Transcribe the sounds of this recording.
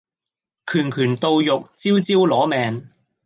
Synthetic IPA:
kʰyː˨˩nkʰyː˨˩nt̪o˨˧wjʊ˨k̚t͡siː˥wt͡siː˥wlɔː˨˥mɛː˨ŋ

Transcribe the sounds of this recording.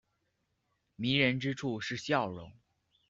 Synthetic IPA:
mi˧˥ɻə˧˥nʈ͡ʂɻ̩˥ʈ͡ʂʰu˥˧ʂɻ̩˥˩ɕjɑ˥˩ʊɻʊ̰˧˥ŋ

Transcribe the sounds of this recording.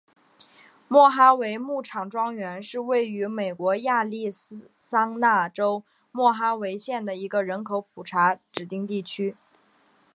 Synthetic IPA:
mwɔ˥˩xa˥we˧˥ɪmu˥˩ʈ͡ʂʰɑ˨˩ŋʈ͡ʂwɑ˥ŋɥɛ˧˥nʂɻ̩˥˧we˥˩ɪy˧˥me˨˩ɪkwɔ˧˥ja˥˧li˥˩ssɑ˥ŋna˥˩ʈ͡ʂo˥ʊ | mwɔ˥˩xa˥we˧˥ɪɕjɛ˥˩nd̪ə˩i˧˥ɡə˧ɻə˧˥nkʰo˧˥ʊpʰu˨˩ʈ͡ʂʰa˧˥ʈ͡ʂɻ̩˨˩t̪i˥˧ŋt̪i˥˩t͡ɕʰy˥

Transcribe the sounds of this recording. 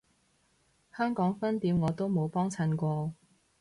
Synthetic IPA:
hœː˥ŋkɔː˨˥ŋfɐ˥nt̪iː˨˥mŋɔː˨˧t̪o˥wmo˨˧wpɔː˥ŋt͡sʰɐ˨˧˥nkʷɔː˧

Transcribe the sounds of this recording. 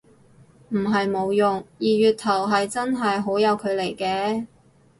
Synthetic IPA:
m̩˨˩ɦɐ˨jmo˨˧wjʊ˨ŋjiː˨˩ɥyː˨t̪ʰɐ˨˩wɦɐ˨jt͡sɐ˥nɦɐ˨jɦo˨˥wjɐ˨˧wkʰɵ˨˧le˨˩jkɛː˧

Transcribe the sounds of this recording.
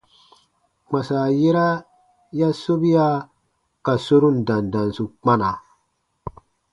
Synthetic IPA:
ma˨sa˨je˦ɾa˦ | ja˦so˦bi˦ja˦ | ka˨so˦ɾu˦˨nda˨nda˨nsu˨k͡pa˦na˨

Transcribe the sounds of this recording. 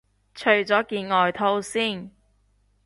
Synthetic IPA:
t͡ʃʰɵ˨ɥt͡sɔː˨˥kiː˧nŋɔː˨jt̪ʰo˥wsiː˥˩n

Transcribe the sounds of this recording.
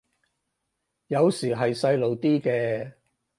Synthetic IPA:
jɐ˨˧wsiː˨˩ɦɐ˨jsɐ˧jlo˨wt̪iː˥kɛː˧

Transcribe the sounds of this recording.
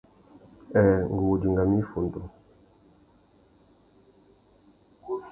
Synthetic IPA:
ɛ˨ŋ˨ɡu˨d͡ʒi˨ŋɡa˨mi˦fo˨n˨to˨

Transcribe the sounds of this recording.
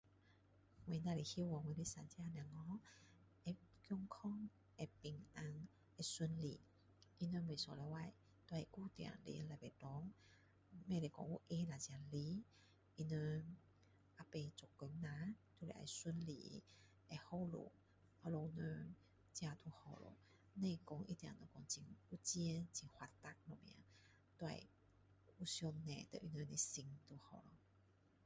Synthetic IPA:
we˨˧˨na˧˨le˨hi˧˦˨wɔ˨ŋwe˨˧˦le˧˦sa˨nt͡ɕja˧n˧a˨ŋɔ˧˦ | ɛ˧kjɔ˧ŋkʰɔ˥˧˨ŋ | ʔɛ˧˩pi˨˩ŋʔa˧ŋ | ɛ˧su˧nlḭ˨ | ʔi˧nə˧me˨˩˨sɔ˨lɛ˧˦wa˧˨j | t̪wa˧ɛ˨ku˧˨t̪ja̰˨ŋlḛ˧la˨pe˨tɔ˨˦ŋ | me˧˨le˨kɔ̰˧˨ŋʔu˧˦ʔe˧˦na˨t͡ɕja˨˩li˧˦ | ʔi˧nə˧ | ʔa˧pe˧t͡so˨˩kːə˧˦mnã˧˦t̪ʰu˧lḛ˨ʔa̰˧˩jswə˧˦nlḭ˨ | a˧˩ho˥˧˨wlo̰˨ | a˧lo˧wnə˧ | t͡ɕja˧t̪ʰu˧hɔ̰˨˧˩lɔ̰˧˩ | ne˧˨kɔ˧ŋʔḭ˧˦t̪jã̰˨˩nə˧kɔ˧ŋt͡ɕi˧ŋʔu˦t͡ɕji˧˦t͡ɕi˧˩ŋhwa˧t̪a˦˧k̚lɔ˨mjã̰˧˦ | t̪wa̰˧˨j | u˦sjɔ˧nːɛ̰̃˨˩t̪ə̰˧ʔi˧nə˧ne˧si˧ŋt̪ʰu˧hɔ˨˩lɔ˨˩

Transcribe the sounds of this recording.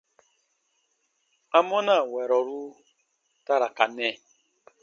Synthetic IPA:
a˦mɔ˦na˦˨wɛ˨ɾɔ˨ɾu˦ | ta˦ɾa˨ka˨nɛ˦˨

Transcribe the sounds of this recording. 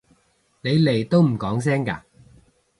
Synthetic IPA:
ne˨˧jle˨˩jt̪o˥wm̩˨˩kɔː˨˥ŋs̬ɛː˥ŋka̰ː˧

